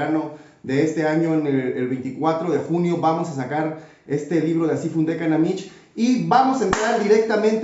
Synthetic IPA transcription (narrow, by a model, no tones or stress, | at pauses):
ano̞ | ðe̞est̪e̞aɲo̞eneelβejnt̪ikwat̪ɾoðexunjo̞βamo̞sasakaɾ | e̞st̪e̞liβ̞ɾo̞ðeasifund̪e̞kanamit͡ʃ | iβamo̞saent̪ɾaɾd̪iɾe̞k̚t̪amẽnt̪